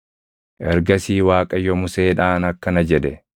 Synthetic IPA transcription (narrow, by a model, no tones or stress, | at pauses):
ʔɛɾɡɐsiːwaːkʼɐjɔmʊse̞ːᶑaːnɐkːɐnɐd͡ʒɛᶑɛ